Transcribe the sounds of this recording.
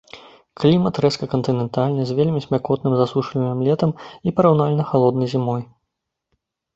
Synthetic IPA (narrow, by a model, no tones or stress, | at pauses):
klʲimɐt̪ɾɛskɐkɐnt̪ɨnʲɛnt̪alʲnɨzʲvʲelʲmʲisʲmʲakɔt̪nɨmzasuʂlʲinʲɨmlʲɛt̪ɐmipɐɾawnalʲnɐxalˠɔd̪nɐjzʲimɔj